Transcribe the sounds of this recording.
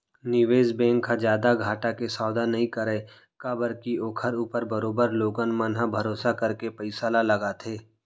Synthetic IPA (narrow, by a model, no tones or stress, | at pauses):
nɪʋeːzbɛ̃ːŋkʰːad͡ʒjaːd̪aɡʱaːʈakesaːʊd̪anɐɦĩkəɾeː | kabəɾkioːkʰəɾuːpəɾbəɾoːbəɾloːɡənmənɦabʱɐɾoːsakɐɾkepəɪsaːlalɐɡat̪ʰeː